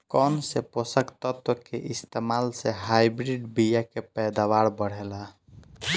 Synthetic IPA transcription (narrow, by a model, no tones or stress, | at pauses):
kɔnseposəkt̪ət̪wəkeʔist̪emalseɦajbɾiɖbijakepɛjd̪awaɾbəɽ̤ela